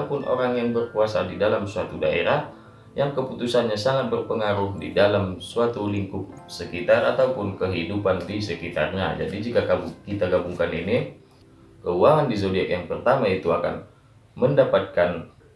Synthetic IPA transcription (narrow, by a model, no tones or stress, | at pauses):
pʊnʔo̰ɾaŋjaŋbərkuasadidalamsuat̪uda̰ḛɾah | jaŋkəput̪usanɲasaŋat̪̚bərpəŋaɾʊhdḭdalamsuat̪uliŋkʊk̚səkit̪ara̰t̪aupʊnkəɦidupandisəkit̪a̰rɲa̰d͡ʒa̰did͡ʒikaɡabukit̪aɡabuŋkanini | kəuaŋandisodiɛkjaŋpərt̪amait̪uaka̰n | məndapat̪̚kan